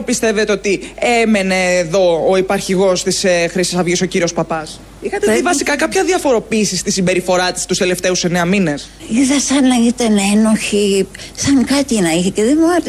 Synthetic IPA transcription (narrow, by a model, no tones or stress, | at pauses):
pist̪e̞vet̪eo̞t̪ieme̞neːðo̞ːipɐɾçiɣo̞st̪isxɾisisɐvʝiso̞ciɾio̞spɐpɐs | ixɐt̪et̪ivɐsikɐkɐpçɐðiɐfo̞ɾo̞piːsist̪isimbe̞ɾifo̞ɾɐt̪ist̪ust̪ele̞ft̪e̞use̞neɐmine̞s | iðɐsɐnɐit̪ɐneno̞çi | sɐŋkɐt̪inɐiçeceðemuat̪